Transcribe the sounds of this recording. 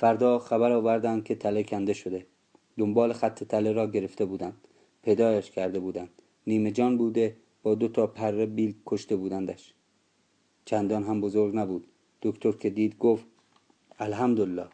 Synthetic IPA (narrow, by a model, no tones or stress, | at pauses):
fæɾd̪ɒːxæβæɾɒːvæɾd̪ænd̪̚kʰe̞t̪ʰælekʲʰænd̪e̞ʃod̪e̞ | d̪ombɒːlexæt̪ʰːe̞t̪ʰæleɾɒːɟe̞ɾeft̪e̞buːd̪ænd̪̥ | pʰe̞jd̪ɒːjæʃkʲʰæɾd̪e̞buːd̪ænd̪̥ | niːme̞d͡ʒɒːnbuːd̪e̞ | b̥ɒːd̪ot̪ʰɒːpʰærːebiːlkʰoʃt̪e̞buːd̪ænd̪æʃ | t͡ʃʰænd̪ɒːnɦæmbozoɾɡnæbuːd̪̥ | d̪̥okt̪ʰoɾkʰe̞d̪iːd̪ɡoːft̪ | ælɦæmd̪olːɒː